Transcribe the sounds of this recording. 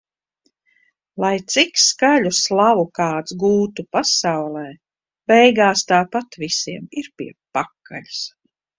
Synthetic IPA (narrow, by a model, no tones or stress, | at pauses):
lˠajt̪sikskaʎuslˠavukaːt̪sɡuːt̪upasawlˠɛː | b̥ɛjɡaːst̪aːpat̪visiɛmiɾpḭɛpakːa̰l̥s